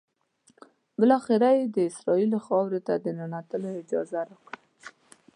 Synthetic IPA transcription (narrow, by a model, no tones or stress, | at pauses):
bɪlɑxɪɾajed̪əɪsɾɑilxɑwɾet̪ad̪ənanat̪əloɪd͡ʒɑ̰zaɾakɽi